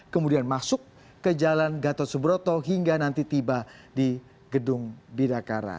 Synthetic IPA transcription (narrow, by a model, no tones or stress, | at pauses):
kəmudianmasʊkː | əd͡ʒalanɡat̪ɔsəbɾot̪ɔɦiŋɡanant̪it̪ibadi | ɡədʊŋbidakaɾa̰